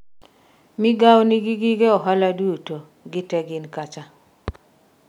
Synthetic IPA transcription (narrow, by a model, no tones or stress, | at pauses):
mɪɡawniɡiɡiɡeɔɦaladuto | ɡɪtɛɡɪnkat͡ʃa